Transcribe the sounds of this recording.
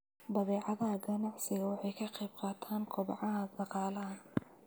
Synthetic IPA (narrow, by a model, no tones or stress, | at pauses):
bɐðɛːʕɑðɐɐɡɐnɑʕsɪɣɐwɑħɑjkʰɐqɛjb̚qɑːt̪ʰaːŋkʰɔbʕɑɦɐd̪ɑqɑːlɐɦɐ